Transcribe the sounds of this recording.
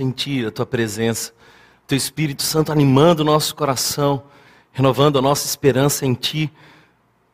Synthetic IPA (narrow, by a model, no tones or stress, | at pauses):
ẽt͡ʃiɐt̪uɐpɾezẽsɐ̥ | t̪ewispiɾit̪ʊ̥sɐ̃nt̪ʊanĩmɐ̃nd̪ʊːnɔsʊ̥koɾasɐ̃w̃ | henovɐ̃nd̪ʊɐnɔsɐispeɾɐ̃sɐẽj̃t͡ʃi